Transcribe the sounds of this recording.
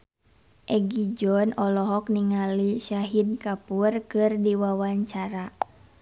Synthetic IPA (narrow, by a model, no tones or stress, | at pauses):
ʔɛɡid͡ʒɔnɔlɔɦɔk̚niŋalisaɦidkapurkɨrdiwawaɲt͡ʃaɾa